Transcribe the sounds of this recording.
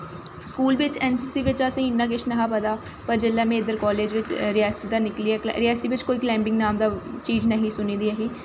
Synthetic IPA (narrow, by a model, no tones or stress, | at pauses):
skuːlʋɪt͡ʃɛːnsiːsiːʋɪt͡ʃəsẽːɪnːãːɡɪʃʰnəɦaːpəd̪aː | pəɾd͡ʒɪlːɛːmẽːɪd̪əɾkɔːleːd͡ʒʋɪt͡ʃɾɪaːsid̪aːnɪkliɛːɾɪaːsiːʋɪt͡ʃkoːiːklɛ̃ːmbɪ̃ŋɡnaːmd̪aːt͡ʃiːd͡ʒnəɦĩːsʊniːd̪iːəɦiː